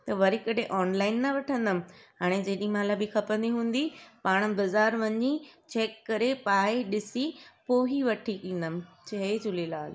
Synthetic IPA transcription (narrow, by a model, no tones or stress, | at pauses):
t̪ɐʋɐɾikɐɗʱeʔɔːnlaːɪnːɐʋɐʈʰə̃nd̪əmɪ̆ɦaːɽ̃ed͡ʑeːɗĩɦmãlabikʰɐpə̃nd̪iɦũːn̆d̪ipaːɽ̃bɐzaːɾʋɐɲit͡ɕeːkːɐɾepaːeɗɪsipoːɦiʋɐʈʰikĩːnd̪əmɪ̆t͡ɕʰɐɦed͡ʑʊlelaːl